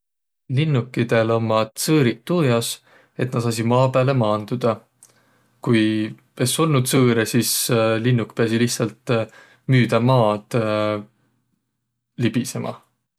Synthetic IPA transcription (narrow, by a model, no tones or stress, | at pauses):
linːukːˑid̪̥e̞lo̞mːɑt̪sɤːɾit̪ːujɑs | e̞t̪nɑt̪sɑs̬imɑːpæːle̞mɑːnd̪̥ud̪̥ɑ | kuj | e̞so̞lnud̪̥sɤːɾesislinːukpeɑsilihtsɑlt̪ˑ | myːd̪̥ɑmɑːd̪̥ | lib̥ise̞mʔɑ̰